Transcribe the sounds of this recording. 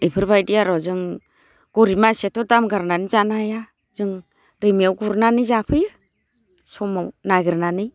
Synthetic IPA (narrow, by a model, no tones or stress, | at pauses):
ipʰɯɾbajdiaɾɔzɯŋ | ɡ̥ɔɾimasetɔdamɡaɾnanizanaja | zɯŋ | dɯjmiawɡuɾnanɯzapʰɯjɯ | sɔmawnaɡɯɾnanɯj